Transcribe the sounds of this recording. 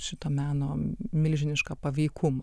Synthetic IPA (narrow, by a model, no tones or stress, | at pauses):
ʃʲɪt̪oːmʲæːnoːmʲɪlʲʒʲɪnʲɪʃkɐpɐʋʲɛɪkʰʊmɐ